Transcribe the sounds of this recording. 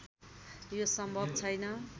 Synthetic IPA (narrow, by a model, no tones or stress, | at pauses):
josʌmbʱʌbt͡sʰʌjnʌ